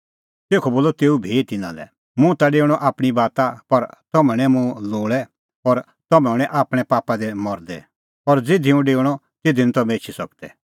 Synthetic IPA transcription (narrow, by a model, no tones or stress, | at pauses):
t̪eːkʰɔboːlɔt̪eːubʱit̪ɪnã̰lɛ̰ | mũt̪aɖeːɽ̃ɔʔaːpɽ̃ibaːt̪apɐɾt̪ɔmɛ̃ɽ̃ɛmũloːɭɛ | ɔːɾ | t̪ɔmɛʊɽ̃ɛ̃ʔaːpɽ̃ɛpaːpad̪ɛmɔɾd̪ɛ̰ | ɔɾd͡zɪd̪ʱiũɖeːɽ̃ɔ | t̪ɪd̪ʱinũt̪ɔmɛ̃et͡ʃʰisɐk̚d̪ɛ̰